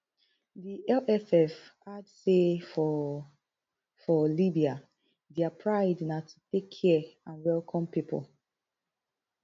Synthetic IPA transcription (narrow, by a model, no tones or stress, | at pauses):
diʔɛlɛfɛfadsefɔ | fɔlibia | dɛapʰɹaɪdnatʰutekʰːɛãnwɛlkʰɔ̃mpipə̰l